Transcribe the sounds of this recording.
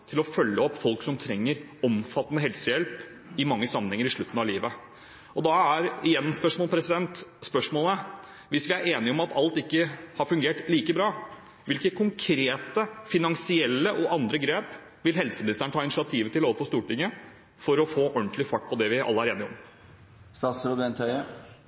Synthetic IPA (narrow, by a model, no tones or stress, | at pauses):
t̪ʰɪlɔfœlːəɔpːfɔlksɔmt̪ʰɾɛŋːəɾ | ɔmfɑt̪ːənəɦɛlsəjɛlp | ɪmɑŋːəsɑmːənhɛŋːəɾɪʂɭʉt̪ːn̩ɑʋliːʋə | ɔd̪ɑæɾɪjɛnːspœʂmoːlpʰɾɛsɪd̪ɛnt̪spœʂmoːlə | ʋɪsʋɪæɾeːnɪɔmɑt̪ʰɑlt̪ɪkːəhɑɾfʉŋɡeːʈliːkəbɾɑː | ʋɪlkəkʰʊŋkʰɾeːt̪əfɪnɑŋsɪɛlːəʔɔʔɑnd̪ɾəɡɾeːp | ʋɪlɦɛlsəmɪnɪst̪əɳət̪ʰɑːɪnɪʃɪɑt̪ʰiːʋət̪ɪloːʋəfɔst̪uːʈɪŋːə | fɔɾɔfoːʔœɳt̪lɪfɑʈ̚ːpʰɔd̪ɛʋɪʔɑ̰lːəæɾeːnɪɔm | st̪ɑːsɾud̪ɛnt̪ʰœʏə